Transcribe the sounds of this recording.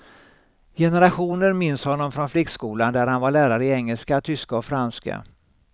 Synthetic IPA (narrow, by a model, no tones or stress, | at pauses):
jɛnəɾaɧuːnəɾmɪnshɔnːɔmfɾɔnflɪkskuːland̪æɾhanvaɭæːɾaɾəɪɛŋːəlskat̪ʰʏskaɔfɾanska̰